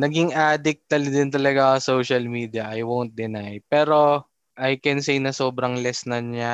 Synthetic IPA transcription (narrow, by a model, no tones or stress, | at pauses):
nɐɡɪŋʔaːd̪ɪk̚t̪ɐld̪ɪnt̪ɐlɐɡaɐsowʃɐlmiːd̪ɪjɐʔɐjwownt̪̚d̪ɪnajpɛːɾo̞ | ʔajkɛnsejnɐso̞ːbɾɐŋlɛsnɐna